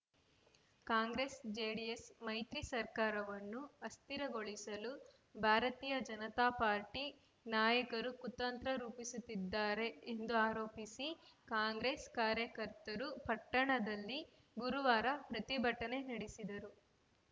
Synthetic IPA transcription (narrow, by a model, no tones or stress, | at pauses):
kaːŋɡɾe̞sd͡ʒeːɖiesmɐjt̪ɾisɐɾkaːɾɐʋɐnːuɐst̪iɾɐɡo̞ɭisɐlu | bʱaːɾɐt̪iːjɐd͡ʒɐnɐt̪aːpaːɾʈi | naːjɐkɐɾukut̪ːɐnt̪ɾɐɾuːpisut̪ːid̪ːaːɾe̞end̪uaːɾoːpisikaːŋɡɾeːskaːɾjɐkɐɾt̪ɐɾupɐʈːɐɳɐd̪ɐlːi | ɡuɾuʋaːɾɐpɾɐt̪ibʱɐʈːɐne̞nɐɽisid̪ɐɾu